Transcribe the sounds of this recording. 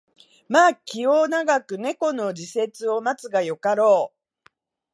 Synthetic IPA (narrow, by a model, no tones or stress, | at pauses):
maːkʲio̞ːnaɡakɯ̟ne̞ko̞no̞d͡ʑise̞t͡sɨo̞mat͡sɨɡajo̞kaɾo̞ː